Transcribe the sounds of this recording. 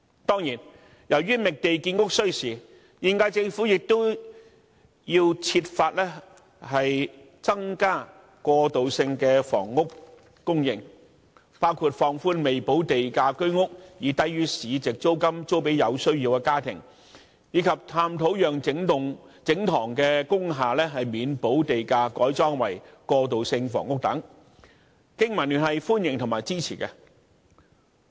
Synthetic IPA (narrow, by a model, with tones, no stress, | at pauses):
t̪ɔː˥ŋjiː˨˩n | jɐ˨˩wɥyː˥mɪ˨k̚t̪e˨jkiː˧nŋʊ˥k̚sɵ˥ɥsiː˨˩ | jiː˨nkaː˧t͡sɪ˧ŋfuː˨˥jɪ˨k̚t̪o˥w | jiː˧wt͡sʰi˧t̚faː˧t̚lɛː˥ | hɐ˨j | t͡sɐ˥ŋkaː˥ | kʷɔː˧t̪o˨wsɪ˧ŋkɛː˧fɔ̰ː˨˩ŋːʊ˥kː | ʊ˥ŋjɪ̰˨˩ŋ | paː˥wkʰuː˨˧t̚fɔː˨ŋfuː˧nme˨jpo˨˥wt̪e˨jkaː˧kɵ˥ɥŋʊ˥k̚jiː˨˩t̪ɐ˧jɥyː˧siː˨˧t͡sɪ˨k̚t͡so˥wkɐ˥mt͡so˥wp̬e˨˥jɐ˨˧wsɵ˥ɥjiː˧wkɛː˧kaː˥t̪ʰɪ̰˨˩ŋ | jiː˨˧˥kʰɐ˨p̚t̪ʰaː˧mt̪ʰo˨˥wjœː˨˩ŋɪ˨˥ŋʊ˨ŋ | t͡sɪ˨˥ŋt̪ʰɔː˨˩ŋkɛː˧kʊ˥ŋɦaː˨˩lɛː˥ɦɐ˨jmiː˨˧npo˨˥wt̪e˨jkaː˧kɔː˨˥jt͡sɔː˥ŋwɐ˨˩jkɔː˧t̪o˨wsɪ˧ŋfɔ̰ː˨˩ŋʊ˥k̚t̪ɐ̰˨˥ŋ | kɪ˥ŋmɐ˨˩nːyː˨˩nhɐ˨jfuː˥njɪ˨ŋt̪ʰʊ˨ŋmaː˨˩jt͡siː˥t͡sʰḭː˨˩kɛ˧